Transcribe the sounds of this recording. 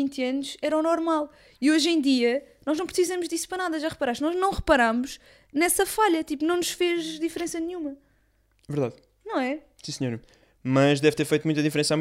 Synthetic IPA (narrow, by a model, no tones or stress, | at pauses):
ĩnt̪jɐnuʃɛɾɐnɔɾmalˠ | ioʒẽj̃d̪iɐnɔʒnɐ̃w̃pɾsizɐmuʒd̪isu̥pɾɐnaðɐʒaʁɨpɐɾaʃt̪nɔʒnɐ̃w̃ʁɨpɐɾamuʃ | nɛsɐfaʎɐt̪ipunɐ̃w̃nuʃfeʒd̪ifɾẽsɐnɲũmɐ | vɨɾðað | nɐ̃w̃ɛ | sĩsɲoɾ | mɐʒd̪ɛvt̪eɾfɐjt̪mũt̪̬ɐðĩfɾẽsam